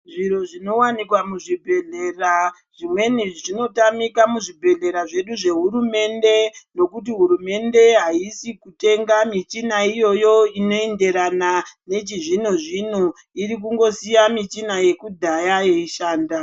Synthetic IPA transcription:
ʐiɾo̞ʐino̞wanikwamuʐibʱe̞ɮe̞ra | ʐ̥imwe̞niʐino̞tamikamuʐibʱe̞ɮe̞ɾaʐe̞ɗuʐe̞ɦuɾume̞nde̞no̞kut̬iɦuɾume̞nde̞ɦaisikute̞ŋɡamit͡ʃinaijo̞jo̞ino̞ende̞ɾanane̞t͡ʃiʐinoʐino | iɾik̬uŋɡo̞sijamit͡ʃinaje̞kudʱajaje̞iʃaːnda

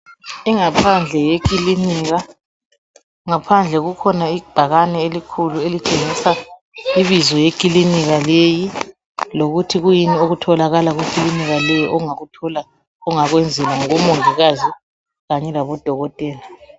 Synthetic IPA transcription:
iŋapʰand͡ɮʱɛjek̬ʼiliniɣa | ŋapʰand͡ɮʱɛɣukʰɔnaib̥ʱaɣanɛelikʰuluelit͡ʃʼeŋisa | iβizɔjekʼiliniɣaleji | loɣutʰiɣujinioɣutʰɔlaɣalaɣwukʼiliniɣalɛjɔʔɔŋautʰɔla | ɔŋaɣwɛnd͡zʱɛlaŋumoŋiɣazi | ɣaɲɛlaβɔd̥ʱɔɣɔtʼeːla

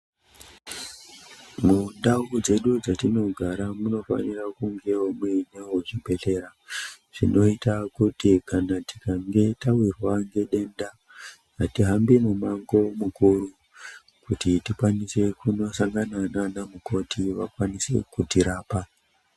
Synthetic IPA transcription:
mundauud͡ze̞ɗud͡zatino̞ɡʱaɾamuno̞fa̰nirakuŋɡe̞omweɲawoʐibʱe̞ɬe̞ɾaʐ̥ḭno̞itakutikanati̥kaŋɡe̞tawirwaŋɡe̞ɗe̞nda | atiɦambimumaŋɡo̞mukuɾu | kutitikwanise̞kuno̞saŋɡanananamuko̞tʰiʋakwanise̞̰kutiɾaːpa

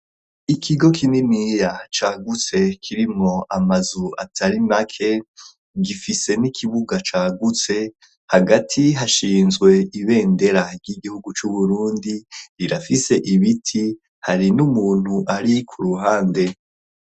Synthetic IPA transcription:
ikʰiɡo̞kʰininijat͡ʃaːɡut͡se̞kʰiɾimŋo̞ʔamazua̰tʰaɾimakʰe̞ | ɡifise̞nikʰiβuɡat͡ʃaːɡut͡se̞ | haɡatʰiɦaʃiːnzɡwe̞iβe̞ːnde̞ɾaɾɟiɡihuɡut͡ʃuβuɾuːndiiɾafise̞ʔiβitʰi | haɾinumuːn̥huʔaɾikʰuɾuɦaːnde̞

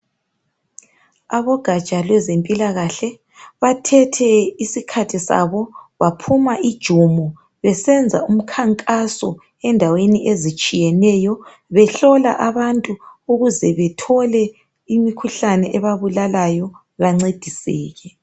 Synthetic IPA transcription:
aβɔɡ̥ʱḁt͡ʃʼalwɛzempʼilaɣaɬɛ | βatʰɛtʰɛisikʰatʰisa̰βɔβapʰumaʔid̥ʒ̥ʱumɔ | βɛsɛnd͡zʱaum̩kʰaŋkʼasɔ | ɛndʱaweniʔezit͡ʃʼijɛnɛjɔ | βɛɬɔlaʔaβantʼuuɣuzɛβɛtʰɔlɛ | imikʰuɬanɛʔɛβaβulalajɔ | βaŋ͡ǀed̥ʱisiːɣɛ

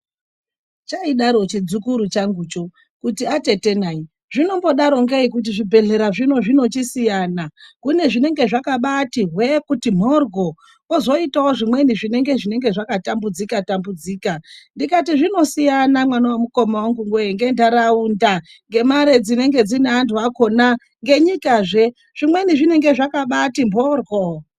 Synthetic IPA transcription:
t͡ʃaiɗaɾo̞t͡ʃid͡zukuɾut͡ʃaŋɡuːt͡ʃo | kutiate̞te̞naːi | ʐino̞mbo̞ɗaɾo̞ŋɡeikut̬iʐibʱe̞ɮe̞ɾaʐino̞ʐino̞t͡ʃisijanakune̞ʐine̞ŋɡe̞ʐakaɓatiɦwe̞kutim̤orɡʱo̞ | ozo̞itawoʐimwe̞niʐine̞ŋɡe̞ʐine̞ŋɡe̞ʐakatambud͡zikatambud͡ziːkandikatiʐino̞sijanamwanawomuko̞mawaŋɡuŋɡweŋɡe̞ndaɾaunda | ŋɡe̞maɾed͡zine̞ŋɡe̞d͡zineantʰuako̞na | ŋɡe̞ɲikaʐe̞ | ʐ̥imwe̞niʐine̞ŋɡe̞ʐakaɓatimbʱorɡʱo

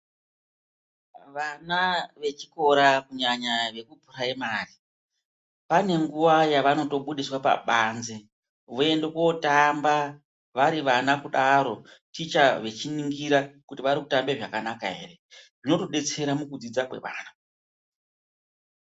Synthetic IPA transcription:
ʋanaʋe̞t͡ʃi̥ko̞ɾakuɲaɲaʋe̞kupuraimaːri | pane̞ŋɡuʋajaʋano̞to̞ɓuɗiswapa̰ɓanze | ʋoe̞ndeko̞tamba | ʋaɾiʋanakuɗaɾo̞tit͡ʃaʋe̞t͡ʃiniŋɡiɾakutiʋaɾikutambe̞ʐakanakaɦe̞̰ːɾe̞ʐino̞toɗe̞t͡se̞ɾamukud͡zid͡zakwe̞̰ʋa̰ːna

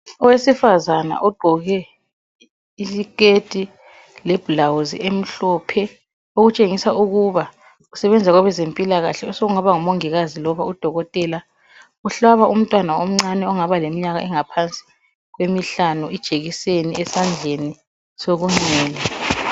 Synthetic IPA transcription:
ɔwesifazana̰ʔɔɡ͡ǃʱɔɣɛ | isiketʼi | lɛb̥lawuzḭem̩ɬɔpʰɛ | oɣut͡ʃʼeŋisaʔuɣuβa | usɛβɛnd͡zʱaɣɔβɛzempʼilaɣaɬɛɔsoɣuŋaβaŋumoŋiɣazilɔβaud̥ʱɔɣɔtʼɛla | uɬaβaʔum̩tʼwanaom̩ŋ͡ǀanɛɔŋaβalemiɲaɣaɛŋapʰant͡sʼi̥ | ɣwemiɬanuid̥ʒ̥ʱeɣiseniɛsand͡ɮʱeni | soɣuŋ͡ǀɛːlɛ

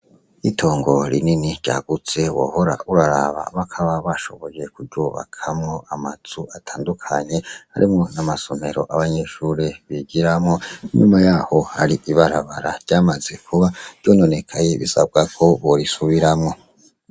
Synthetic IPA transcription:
itʰo̞ːŋɡo̞ɾḭniniɾɟa̰ɡ̥ut͡se̞wo̰ho̞ɾa̰ʔuɾaɾa̰βa̰βakʰaβaβaʃo̞̰βo̞je̞kuɾɟuːβa̰kʰamŋo̞ʔamazuatʰaːndukʰaɲe̞ha̰ɾḭmŋo̞namaso̞me̞ɾoʔaβaɲe̞ʃuːɾeβiɟiɾamŋo̞iɲumajaːho̞ha̰ɾiʔiβaɾaβaɾaɾɟ̥aːmaze̞kʰuβav̥ɟo̞ːno̞ne̞kʰaje̞βisab̚ɡakʰo̞βoɾisuβiɾamŋo̞

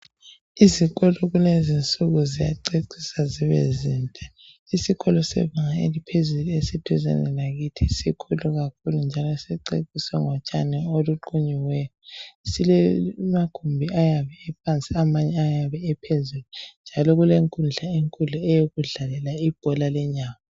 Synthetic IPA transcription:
iziɣɔlɔɣulezint͡sʼuɣuzija̰ǀeǀʰisaziβḛziːntʼa | isiɣʰɔlɔsɛ̰βaŋaḛlipʰezuluesitʰuzɛ̰nɛ̰naɣitʰisikʰuluɣakʰulund͡ʒʱalɔsɛǀḛǀʼisɛŋɔt͡ʃʼanɛoluǃuɲiwɛjɔsilɛmakʰumbʱiajaβɛɛp̚ʰant͡sʼiamaɲɛajaβɛɛpʰezulunnd͡ʒʱalɔɣuleŋkʼund͡ɮʱaeŋkʼuɮuɛjoɣuɮalɛlaib̥ʱɔlalɛɲaːma

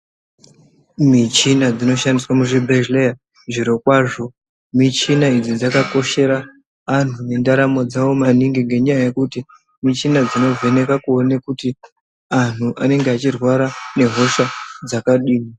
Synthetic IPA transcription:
mit͡ʃinad͡zino̞ʃandiswamuʐibʱeʒleja | ʐiɾo̞kwaːʐo̞ | mit͡ʃinaid͡zid͡zakako̞ʃe̞ɾa | an̤une̞ndaɾamo̞d͡zawo̞maniŋɡiŋɡe̞ɲajaje̞kuti | mit͡ʃinad͡zino̞vʱe̞ne̞kakuonekuti | an̤uʔane̞ŋɡeat͡ʃirwaɾane̞ɦo̞ʃad͡zakaɗiːmi

